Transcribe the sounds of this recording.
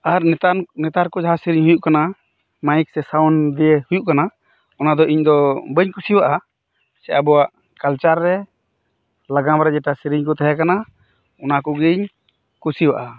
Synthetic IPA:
aɾnɛt̪aɾkɔd͡ʒaɦasiɾiɲɦujuʔkana | majik̚sɛsawɔnd̪ijehujuʔkana | ɔnad̪ɔʔiɲd̪ɔbəɲkusiwaʔa | sɛʔabɔwaʔ | kalt͡ʃaɾːɛ | laɡamɾɛd͡ʒɛʈasiɾiɲkɔt̪aɦakana | ɔnakɔɡəɲ | kusiwaʔa

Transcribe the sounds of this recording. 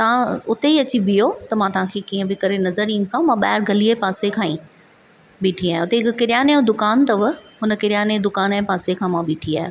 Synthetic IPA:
t̪ɐãʊt̪eiɐt͡ɕibijot̪ɐmãt̪ɐɦãkʰeːkiːə̃bɪkɐɾenɐzəɾĩːnsãũmãɓaːɪɾɡʱɐliepaːsekʰãːḭ̃ | ɓiːʈʰiaːɦẽʊt̪eɦɪkkɪɾjaːnejõd̪ʊkaːnt̪ɐʋɐɦʊnə̆kɪɾjaːned̪ʊkaːnpaːsekʰãːmãɓiːʈʰia̰ːɦe

